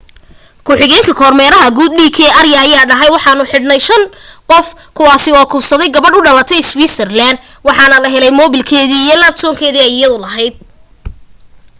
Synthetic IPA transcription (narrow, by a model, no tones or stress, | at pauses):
kʰʊħɪɣɛːŋkʰɐkʰɔːrmɛːɾɐɦɐɡuːd̪̚ɖiːkʰɛːɐrjɐːjaːɖɐɦɛjwɑħɑːnʊħɪɖnɐjʃɐnqɔfkʰʊwaːsɪɔːkʰʊːbsɐðɛjɡɐβɐɖʊɖɐlɐt̪ʰɛjswiːsɛrlaːnd̪ | wɑħɑːnɐlɐɦɛlɛjmɔːβɪlkʰɛːðiːijɔlaːb̚t̪ʰɔːŋkʰɛːðiːɛjɪjɐðʊlɐɦɛjd̪̚